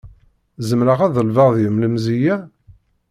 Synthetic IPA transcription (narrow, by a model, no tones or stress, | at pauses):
zəmɾəʁæðəlvəʁðjəmləmzijæ